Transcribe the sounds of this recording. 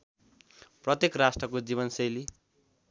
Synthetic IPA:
prʌt̪jekrasʈrʌkod͡ziβʌnsʌjli

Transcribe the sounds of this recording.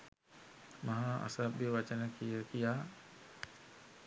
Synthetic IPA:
maɦaa̰sabjəʋat͡ʃənəkijəkijaː

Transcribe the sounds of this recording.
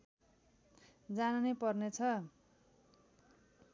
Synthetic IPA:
d͡zananepʌrnet͡sʰʌ

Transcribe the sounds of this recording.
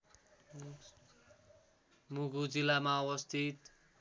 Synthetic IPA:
muɡud͡zilamaʌwʌst̪ʰit̪

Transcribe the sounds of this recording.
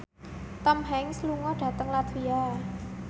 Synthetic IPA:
t̪əmɦɛŋsluŋɔɖ̥ä̤t̪əŋlat̪ʰwia

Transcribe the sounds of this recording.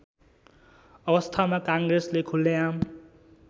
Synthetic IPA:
ʌbʌst̪ʰamakaŋɡreslekʰulːejam

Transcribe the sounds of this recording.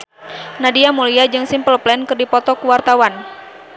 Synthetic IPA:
nadiamuliad͡ʒɨŋsɪmpəlplɛnkɨrdipɔt̪ɔkuwart̪awan

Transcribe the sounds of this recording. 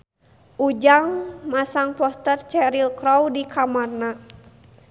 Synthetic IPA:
ʔud͡ʒaŋmasaŋpɔst̪ərt͡ʃɛɾilkɾɔwdikʰamarna

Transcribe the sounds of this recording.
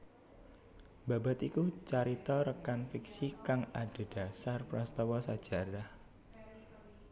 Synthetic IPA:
ba̤ba̤t̪ikut͡ʃaɾit̪ɔɾəkanfiksikaŋaɖ̥e̤d̥ä̤sarpɾɔst̪ɔwɔsad̥ʒ̥a̤ɾah

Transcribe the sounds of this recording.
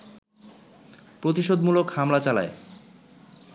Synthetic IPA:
pɾot̪̬iʃod̪mulokhamlat͡ɕala̰e

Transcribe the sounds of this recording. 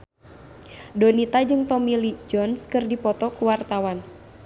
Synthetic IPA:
dɔnit̪ad͡ʒɨŋt̪ɔmilid͡ʒɔnskɨrdipɔt̪ɔkuwart̪awan

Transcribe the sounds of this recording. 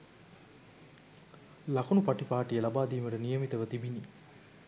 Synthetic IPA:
lɐkunupɐʈipaːʈijəlɐbaːd̪iːməɾənijəmit̪əʋət̪ibini

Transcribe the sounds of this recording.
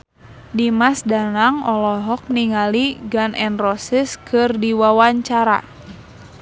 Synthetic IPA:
dimasdanaŋɔlɔɦɔk̚niŋaliɡanʔɛnrɔsiskʰɨrdiwawaɲt͡ʃaɾa̰

